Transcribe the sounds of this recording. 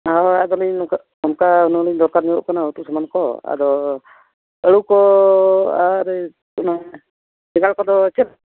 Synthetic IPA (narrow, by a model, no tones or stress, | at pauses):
aad̪ɔliɲka | ɔnkaunaliɲd̪ɔɾkaɾniɔʔkanaut̪uʔsamankɔa̰d̪ɔ | əɽukɔ | aɾɛ | una | bɛɡalkɔd̪ɔt͡ʃɛɾ